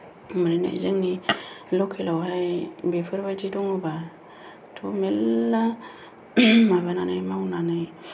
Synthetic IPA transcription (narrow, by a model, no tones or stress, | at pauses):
məɾina̰d͡ʒiŋnilokʰːilawhabefəɾbad͡ʒiduŋuba | tʰomelːa | mabananajmawunanai